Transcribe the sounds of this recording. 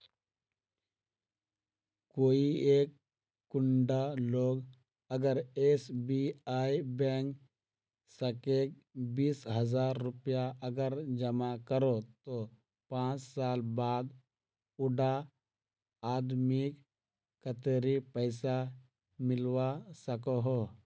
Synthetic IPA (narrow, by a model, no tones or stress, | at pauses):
koːieːkː | ʊɳɖaloːɡ | əɡəɾeːsbiaːibɛŋk | səkeːk̚ | biːsɦəzaːɾːʊpjaəɡəɾd͡ʒəmakəɾot̪o | pãːt͡ʃsaːlbaːd̪ | ʊɖa | aːd̪mik | kət̪eɾipəɪsa | mɪlwasəkoɦoː